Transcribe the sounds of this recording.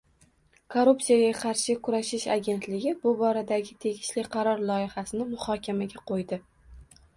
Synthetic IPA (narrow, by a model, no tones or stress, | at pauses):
kʰoɾupsijaɡʲaqʰɑɾʃɪkʰʊɾaʃɪʃa̰ɡʲe̞nt̪lɪɡʲɪbʊbɒɾad̪aɡʲɪt̪ʰe̞ɡʲɪʃlɪqʰɑɾɒɾlˠɒɪhasɪnɪmʊhɒkʲʰamaɡʲaqʰojd̪ɪ